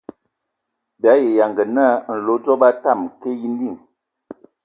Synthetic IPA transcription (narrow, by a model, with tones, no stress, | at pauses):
bja˨˦je˨ja˨ŋɡə˨na˦n̩˨lo˨˦d͡zɔ˦ba˦ta˦˨mke˦ji˦n˦di˦˨ŋ